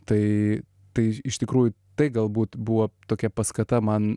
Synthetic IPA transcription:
t̪ɐɪ | t̪ɐɪɪʃt̪ʲɪkɾuːjʊ | t̪ɐɪɡɐlˠbuːt̪buʋɐt̪oːkʲɛpɐskɐt̪ɐmɐn

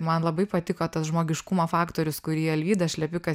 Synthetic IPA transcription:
mɐnlˠɐbɐɪpɐt̪ʲɪkoːt̪ɐsʒmoːɡʲɪʃkʊmofɑːkt̪oːɾʲʊskʊɾʲiɛɛlʲʋʲiːd̪ɐʃʲlʲɛpʲɪkɐ

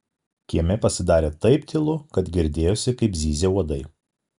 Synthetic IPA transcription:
kʲiɛmʲɛpɐsʲɪd̪ɑːɾʲeːt̪ɐɪpt̪ʲɪlˠʊkɐt̪ɡʲɪɾʲd̪ʲeːjoːsʲɪkɐɪpzʲiːzʲeuɔd̪ɐɪ

